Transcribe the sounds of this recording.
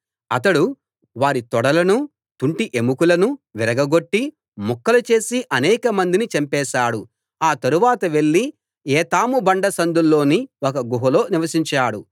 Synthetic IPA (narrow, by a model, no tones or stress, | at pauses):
ɐt̪ɐɽu | ʋaːɾit̪ɔɽɐlɐnu | t̪uɳʈiʔemukulɐnuʋiɾɐɡɐɡo̞ʈːi | mɔkːɐlɐt͡ʃe̞ːsiʔɐnɛːkɐmɐnd̪init͡ʃɐmpɛːʃaːɽu | aːt̪ɐɾuʋaːt̪ɐʋe̞ɭːi | eːt̪aːmubɐɳɖɐsɐnd̪ulːo̞ːniokɐɡuɦɐlo̞ːniʋɐsiɲt͡ʃaːɽu